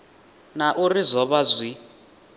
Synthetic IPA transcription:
naʔurizʷɔβazʷi

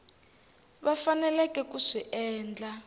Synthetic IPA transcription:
βafanɛlɛkʼɛkuʂiʔɛːnd͡ɮa

